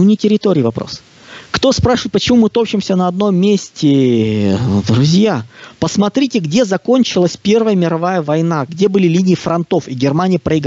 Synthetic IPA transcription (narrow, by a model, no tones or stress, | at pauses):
unʲɪtʲɪɾʲɪt̪oɾʲɪːvɐpɾo̰s | kt̪o̞spɾaʂɨvəɪt̪̚pət͡ɕɪmumɨt̪o̞pɕɪmsʲənɐɐd̪no̞mʲːesʲtʲɪ | d̪ɾʊzʲjapəsmɐt̪ɾʲitʲɪɡdʲezɐko̞nʲt͡ɕɪlˠəsʲpʲe̞rvəjəmʲɪɾɐvajəvɐjnaɡdʲe̞bɨlʲɪlʲinʲɪɪfɾɐnt̪o̞fiɡʲɪrmanʲɪjəpɾəɪɡ